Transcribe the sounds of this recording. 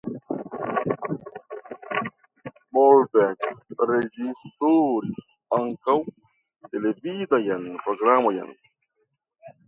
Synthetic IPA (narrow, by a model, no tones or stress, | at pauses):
molbɛkɾed͡ʒist̪oɾis | aŋkaw | t̪elevidajanpɾoɡɾamoja̰n